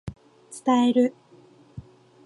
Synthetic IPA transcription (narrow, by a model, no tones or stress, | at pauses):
t͡sɨ̥t̪aeɾɯ̟